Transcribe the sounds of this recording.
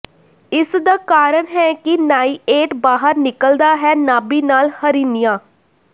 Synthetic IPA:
ɪsd̪aːkaːɾəɳɦɛːkɪnaːiːeːʈbaːɦəɾnɪkəld̪aːɦɛːnaːbiːnaːlhəɾiːnijãː

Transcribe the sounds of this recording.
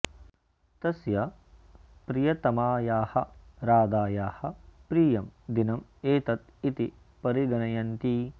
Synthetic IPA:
t̪ɐsjɐ | pɾijɐt̪ɐmaːjaːhɐɾaːd̪aːjaːhɐ̆pɾiːjɐmd̪inɐmeːt̪ɐt̪ | it̪i | pɐɾiɡɐɳɐjɐnt̪i

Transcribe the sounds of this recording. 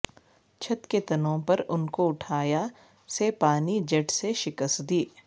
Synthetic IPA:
t͡ʃʰɐt̪ket̪ɐnõpɐɾʊnkoʊʈʰaːja | sepaːnid͡ʒɐʈseʃɪkəst̪d̪iː

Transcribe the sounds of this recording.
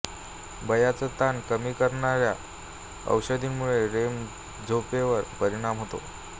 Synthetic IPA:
bəjat͡sət̪ankəmiːkəɾɳaɾja | ə̰wɕəd̪ʱiːnmuɭeɾem | d͡zʱopeʋəɾpəɾiɽ̃amɦot̪o̰

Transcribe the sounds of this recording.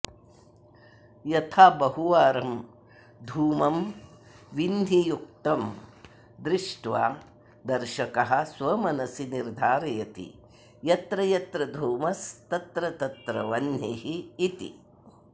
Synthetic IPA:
jɐt̪ʰaːbɐɦuʋaːɾɐm | d̪ʱuːmɐm | ʋinnijuk̚t̪ɐm | d̪ɾɪʂʈʋaː | d̪ɐɾʃɐkɐɦɐ̆sʋɐmɐnɐsiniɾd̪ʱaːɾɐjɐt̪ḭ | jɐt̪ɾɐjɐt̪ɾɐd̪ʱuːmɐst̪ɐt̪ɾɐt̪ɐt̪ɾɐʋɐnjiɦiːt̪ḭ

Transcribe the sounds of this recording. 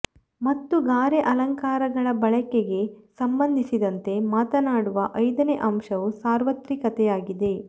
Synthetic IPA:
mɐt̪ːuɡaːɾeʔɐlɐŋkaːɾɐɡɐɭɐbɐɭɐkeɡe̞sɐmbɐnd̪ʱisid̪ɐnt̪e̞maːt̪ɐnaːɽuʋɐʔɐjd̪ɐneʔɐmʃɐʋusaːɾʋɐt̪ɾikɐt̪ɛjaːɡid̪e̞

